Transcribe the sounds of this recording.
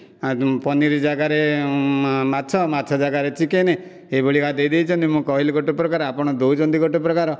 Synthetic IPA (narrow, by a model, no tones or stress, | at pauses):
pɔniɾid͡ʒaɡaɾe | matːt͡ʃʰɔmatːt͡ʃʰɔd͡ʒaɡaɾet͡ʃikene | eboɭikad̪ejd̪ejt͡ʃʰɔnt̪imũkɔɦilɡɔʈipɾɔkaɾapɔɽ̃ɔd̪owd͡ʒɔnd̪iɡɔʈipɾɔkaɾɔ